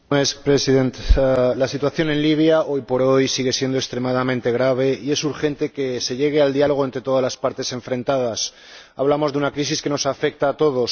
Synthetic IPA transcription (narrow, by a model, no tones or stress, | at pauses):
nespɾesiðe̞nt̪lasit̪̬waθjo̞ne̞nliβ̞jaʔo̞jpo̞ɾo̞jsiɣ̞e̞sje̞nd̪okst̪ɾe̞maðamẽnt̪e̞ɣɾaβ̞e̞ie̞suɾxe̞nt̪e̞ke̞se̞ʎe̞ɣ̞e̞ald̪ialoɣe̞nt̪ɾe̞t̪o̞ðazlaspaɾt̪e̞se̞ɱfɾẽ̞nt̪að̞as | aβlamo̞zðe̞unakɾisiske̞no̞safe̞k̚t̪aːt̪o̞ð̞o̞s